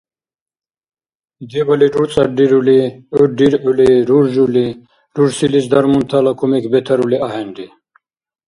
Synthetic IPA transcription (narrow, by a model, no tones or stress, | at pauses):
d̪ibɐliɖuɾt͡sʼɐɖiɾuliəɖiɾuliɾuɾʒuli | ɾuɾsilisd̪ɐɾmunt̪ʰalakʰumekʰbɛt̪ʰɐɾuliaɦɛnɖi